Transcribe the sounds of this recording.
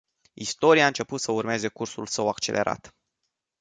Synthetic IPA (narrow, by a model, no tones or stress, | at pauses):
ist̪o̞ɾiaɨnt͡ʃe̞put̪səurme̞ze̞kursulsəwakt͡ʃe̞lʔe̞̰ɾʔa̰t̪